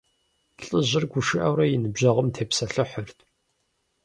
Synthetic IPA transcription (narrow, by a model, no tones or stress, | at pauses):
ɬʼɨʑɪrɡʷʊʂɨʔɐwɾɐjɪnɨbʑɐʁəmtʰeːpsɐɬɨħʊrt̪ʰ